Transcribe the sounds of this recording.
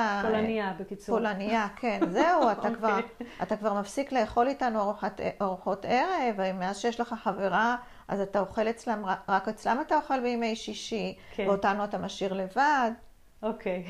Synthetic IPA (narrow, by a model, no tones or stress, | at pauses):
olaniabekit͡solaniakʰe̞nzeuat̪akvaʁatakvaʁmafsikle̞jeχo̞litanuoʁħateʔoʁħo̞teʁevaimːeazʃejeʃleχaħaveʁa | a̰zatao̞χe̞let͡slamʁaʁaket͡slamatao̞χe̞lbejime̞jʃiʃikveo̞tanuatamaʃiʁle̞vad | okʰej